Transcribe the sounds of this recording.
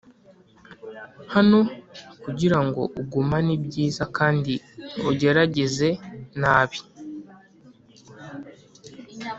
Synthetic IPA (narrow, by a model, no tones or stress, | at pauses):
hano̞kuɟiɾaŋɡo̞̰ʔuɡumanibɟiːzakaːndiuɟe̞ɾaɟe̞ze̞naːβi̥